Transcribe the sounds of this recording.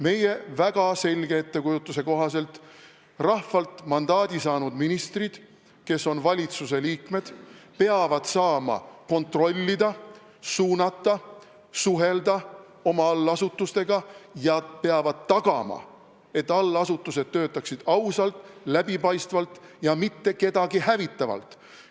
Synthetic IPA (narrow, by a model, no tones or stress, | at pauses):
me̞je̞væɡ̥ɑse̞lʲɡ̥e̞et̪ːe̞kujut̪ːˑuse̞ko̞ɦɑse̞lt̪ | rɑhfɑlt̪ˑmɑnd̪̥ɑːd̪̥ʲisɑːnud̪̥minist̪rid̪̥ | ke̞sːo̞nvɑlʲit̪sus̬e̞liːkme̞d̪̥peɑvɑd̪̥sɑːmɑ̰ko̞nt̪ro̞lʲːid̪ɑ | suːnɑt̪ːˑɑ | suɦe̞ld̪̥ɑ | o̞mɑɑlːɑsut̪ːˑust̪e̞ɡ̥ɑjɑpe̞ɑvɑd̪̥̚t̪ːɑɡ̥ɑmɑ̰ | e̞t̪ːˑɑlːɑsut̪ːˑuse̞d̪̥̚t̪ːø̞ːt̪ːˑɑksid̪̥ɑwsɑlt̪ˑlæbipɑjst̪vɑlt̪jɑmit̪ːe̞ke̞d̪ɑɡihævit̪ːˑɑvɑ̰lt̪ˑ